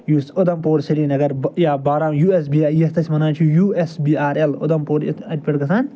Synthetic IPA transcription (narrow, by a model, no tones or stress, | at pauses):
juːst̪od̪ɐmpoːɾsɐliːnɐɡɐɾjaːbaːɾãːjuːes̬biːaːjest̪ɐsʲmɐnaːnt͡ʃʰujuːesbiːaːɾelo̰d̪ɐmpoːɾḛt̪ʰɐʈ̚ʲpʲɐɽkɐsaːn